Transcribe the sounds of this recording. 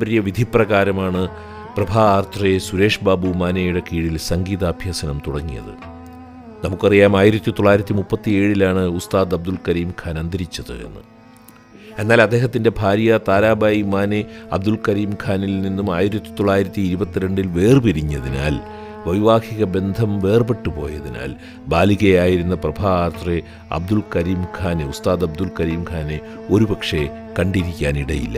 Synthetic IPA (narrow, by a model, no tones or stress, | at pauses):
bɐɾijɐʋid̪ʱiprɐɣaːɾɐmaːɳɨ | prɐbʱaːaːrt̪rɐjesuɾe̞ːʂbaːbumaːnejuɽe̞kiːɽilsɐŋɡiːðɐːbʱjaːsɐnɐmt̪uɽɐŋːijɐ̰ðɨ̰ | nɐmukːɐrijaːmaːjiɾɐt̪ːit̪oɭːaːjiɾɐt̪ːimupːɐt̪ːie̞ːɻilaːɳɨust̪aːd̪ɐb̚d̪ulkɐɾiːmkʰaːnɐnd̪ɐɾit͡ɕːɐðɨ̰e̞̰nːɨ̰ | e̞nːaːlɐd̪ːeːɦɐt̪ːinde̞bʱaːɾjɐt̪aːɾaːbaːjimaːneɐb̚d̪ulkɐɾiːmkʰaːnilninːumaːjiɾɐt̪ːi̥t̪oɭːaːjiɾɐt̪ːiːɾubɐt̪ːiɾe̞ɳɖilʋe̞ːrɨpiɾiɲːɐðina̰ːl | ʋɐjʋaːkʰiɣɐbe̞nd̪ʱɐmʋe̞ːrbe̞ʈːupo̞̰ːjɐðina̰ːl | baːliɣɐjaːjiɾunːɐprɐbʱaːrt̪re | ɐ̰b̚d̪ulkɐɾiːmkʰaːneust̪aːðɐbd̪ulkɐɾiːmkʰaːne | o̞ɾubɐkʂe̞ | kɐɳɖiɾikʲːaːniɽɐjilːɐ̰